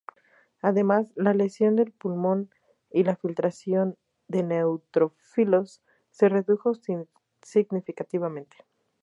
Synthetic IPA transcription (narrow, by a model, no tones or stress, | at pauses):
aðe̞mazlale̞sjo̞nd̪e̞lpulmo̞n | ilafilt̪ɾasjo̞n | d̪e̞ne̞wt̪ɾo̞ | filo̞sː | e̞re̞ðuxo̞ | siɣnifikat̪iβamẽ̞nt̪e̥